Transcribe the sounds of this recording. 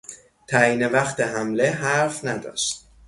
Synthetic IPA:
t̪ʰæiːne̞væxt̪eɦæmle̞ɦæɾfnæd̪ɒ̰ːʃt̪̚

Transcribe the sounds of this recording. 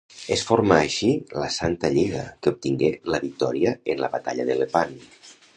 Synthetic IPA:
esfoɾmaːʃiləsant̪əʎiɣ̞əkeup̚t̪iŋɡeləβik̚t̪ɔɾiəenlə̰βat̪a̰ʎəðelepan

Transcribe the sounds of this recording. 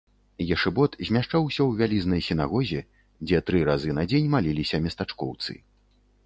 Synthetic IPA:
jaʂɛbɔt̪zʲmʲaʂt͡ʂawsʲɐwvʲalʲiznɐjsʲina̰ɣɔzʲɛ | d͡zʲɛt̪ɾɨɾazɨnɐd͡zʲenʲmalʲilʲisʲɐmʲɛst̪at͡ʂkɔ̰wt̪sɨ̰

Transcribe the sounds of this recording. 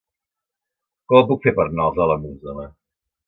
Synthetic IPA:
kɔpukfepəɾnɔzələmuzənə

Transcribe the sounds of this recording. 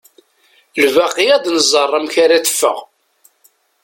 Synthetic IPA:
lvæqːijæd̪nəzˤərˤːəmçaɾæθə̥fːə̰ʁ

